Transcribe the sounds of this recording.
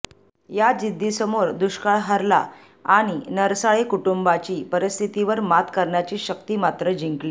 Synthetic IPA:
jad͡ʑid̪ʱːisəmoɾd̪uɕkaɭɦəɾla̰ | aɽ̃inəɾsaɭekuʈumbat͡ɕiːpəɾist̪ʰit̪iʋəɾmat̪kəɾɳjat͡ɕiːɕək̚t̪iːmat̪ɾəd͡ʑiŋkli

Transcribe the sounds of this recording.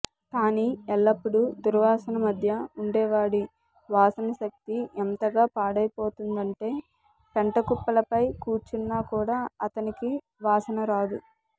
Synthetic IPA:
kaːniɛlːɐpːuɽud̪uɾʋaːsɐnɐmɐd̪ʱjɐuɳɖɛːʋaːɽi | ʋaːsɐnɐʃɐk̚t̪iɛnt̪ɐɡaːpaːɽɐjpo̞ːt̪und̪ɐɳʈe̞ː | peɳʈɐkupːɐlɐpɐjkuːt͡ʃunːaːkuːɽaːɐt̪ɐniki | ʋaːsɐnɐɾaːd̪u

